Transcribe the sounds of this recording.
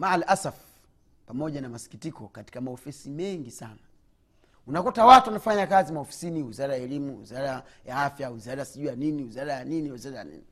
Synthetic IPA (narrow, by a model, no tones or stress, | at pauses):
maalʔasaf | pamɔʄanamasi̥kitikɔkati̥kamaɔfɛsimɛŋɡisana | unakutawatuwanafaɲakazimaɔfi̥siniwizaɾajaɛlimuwḭzaɾajaafjawizaɾasiʄuaniniwizaɾajaniniwizaɾaja̰nḭni